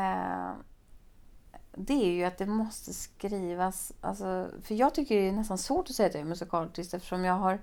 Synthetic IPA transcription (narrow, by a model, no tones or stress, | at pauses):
d̪ɛæɾjɵat̪̚d̪ɛmɔst̪əskɾiːvasʔa̰lsɔfœɾjɑːɡ̚t̪ʰʏkːəɖɛnɛst̪ansvoːʈɔsɛjːad̪ɛmɵsɪkʰɑːlt̪ʰɪst̪ɛft̪ə̥ʂɔmjɑːɡɦaɾ